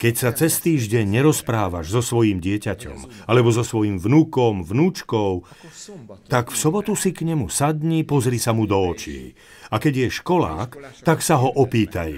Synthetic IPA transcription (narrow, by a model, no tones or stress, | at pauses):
kɛcsat͡sɛst̪iːʒɟɛɲɲɛɾɔspɾaːʋa̰ʒzɔsʋɔjimɟɪɛcacɔ̰malɛbɔzɔsʋɔjimvnukɔmvnuːt͡ʃkɔʊ | t̪akfsɔbɔt̪usikɲɛmusad̪ɲipɔzɾiːsamud̪ɔːt͡ʃḭː | akɛɟjɛʃkɔla̰ːkt̪aksaɦɔʔɔpiːt̪a̰j